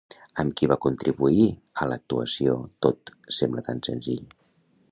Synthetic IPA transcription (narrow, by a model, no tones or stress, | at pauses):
əmkiβakunt̪ɾiβuiələk̚t̪uəsiot̪ot̪sɛmblət̪ansənziʎ